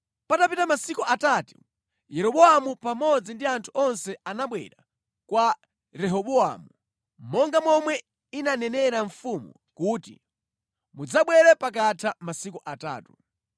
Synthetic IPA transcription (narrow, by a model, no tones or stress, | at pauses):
patapitamasikuʔatatu | jɛɾɔɓɔamupamɔd͡zindiantʰu̥ɔnsɛanaɓwɛ̰ɾa | kwa | ɾɛɦɔɓɔa̰mu | mɔŋɡamɔmwɛ | inanɛnɛɾaɱfumṵ | kuːtḭ | mud͡zaɓwɛɾɛpak̬atʰamasikuʔata̰ːtu̥